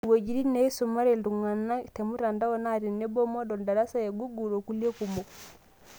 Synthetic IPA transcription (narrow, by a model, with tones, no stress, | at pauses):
wo˨d͡ʒi˨ɾi˦nːa˦i˦suma˦ɾɛldu˨ŋa˨nːa˦te˨mu˦ta˨nda˦wɔ˦naɾi˨nːɛ˦bɔ˦mɔ˦dɔ˨nda˨ɾa˦sa˦jeɡu˦ɡu˨ɾo˨ku˦le˦kumbɔ˨